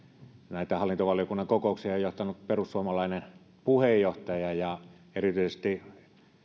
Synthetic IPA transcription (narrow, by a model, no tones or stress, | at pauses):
næˑit̪æhɑlːint̪oʋɑlijokunːɑŋkokoˑuksiɑˑejoht̪ɑnutperusːuomɑlɑˑinen | puhejjoht̪ɑjɑjɑ | erit̪yˑisest̪i